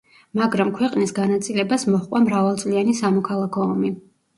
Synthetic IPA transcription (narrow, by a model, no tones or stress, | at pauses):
maɡɾamkʰwɛqʼnisɡanat̪sʼilɛbasmɔχqʼwamɾavalˠt̪sʼlianisamɔkʰalˠakʰɔɔmi